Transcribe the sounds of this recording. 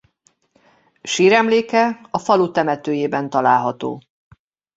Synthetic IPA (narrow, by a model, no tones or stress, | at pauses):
ʃiːɾɛmleːkɛɒfɒlut̪ɛmɛt̪øːjeːbɛn̪t̪ɒlaːlɦɒt̪o̰ː